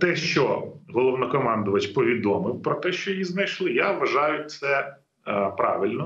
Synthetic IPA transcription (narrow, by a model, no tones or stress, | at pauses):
t̪ɛʃt͡ʃɔɦɔlˠɔwnɔkɔmɑnd̪ʊʋɐt͡ʃpɔʋʲid̪ɔmɪwpɾɔt̪ɛʃt͡ʃɔjjiznɐjʃlˠɪjaʋɐʒɑjʊt̚ʲt̪sɛ | pɾɑ̰ʋɪlʲnɔ